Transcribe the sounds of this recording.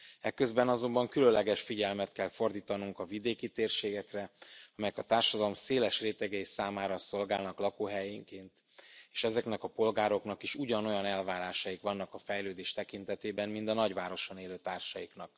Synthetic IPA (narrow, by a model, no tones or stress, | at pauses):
ɛkːø̞zbɛnɒzo̞mbɒŋkylønlːɛɡɛʃfiɟɛlmɛt̪kɛlfo̞rd̪iːt̪ɒnuŋkɒvid̪eːkit̪eːrʃeːɡɛkrɛɒmɛjɛkɒt̪aːrʃɒd̪ɒlo̞mseːlɛʃreːt̪ɛɡɛisaːmaːɾɒso̞lɡaːlnɒklɒkoːɦɛjiŋkeːnt̪ | eːʃɛzɛknɛkɒpo̞lɡaːɾo̞knɒkiʃuɟɒnojɒnɛlvaːɾaːʃɒjikʋɒnːɒkɒfɛjløːd̪eːʃt̪ɛkint̪ɛt̪eːbɛnmint̪ɒnɒɟʋaːɾo̞ʃo̞neːløːt̪aːrʃɒjiknɒk̚